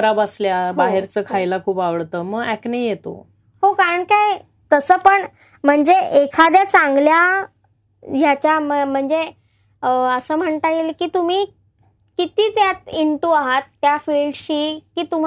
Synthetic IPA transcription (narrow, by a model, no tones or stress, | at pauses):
ɾabasljaɦbaɦeɾt͡səːkʰajlakʰuːpaʋəɭt̪əːməɡæknəjjet̪o̰ | ɦokaɾəɳkaj | t̪əsəːpəɳ | m̤əɳd͡zeekʰad̪jat͡saŋɡlja | d͡ʑjat͡ɕjaməm̤əɳd͡ze | əsəːm̤əɳt̪ailkiːt̪um̤iː | kit̪iːt̪jat̪iɳʈuaɦat̪ːjafilɖɕiːkiːt̪um̤